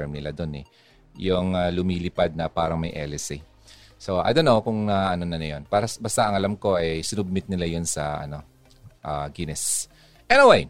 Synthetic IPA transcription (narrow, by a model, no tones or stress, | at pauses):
ɛɹmnɪlad̪o̞nɛ̰ | jʊŋalʊmiːlɪpad̪̚nɐpaːɾɐŋmɐjʔɛlɛsi | so̞ʔa̰jd̪onːowkʊŋnɐʔɐnonɐnɐjo̞npaːɾɐsbast̪ɐʔɐŋɐlamko̞ʔɐjjsɪnʊb̚mɪt̪̚nɪlajonsɐʔɐ̰no̞ | ʔaɡɪnɛs | ʔɛnɪwej